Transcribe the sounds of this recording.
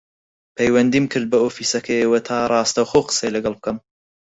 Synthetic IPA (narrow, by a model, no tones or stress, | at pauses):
pʰɛjwɐnd̪iːmkʰɨɾd̪̚bɐoːfiːsɐkʰɐjewɐt̪ʰaːrˤɑːst̪ɐwxowqɨ̥sejlɐɡɐlˠb̚kʰɐm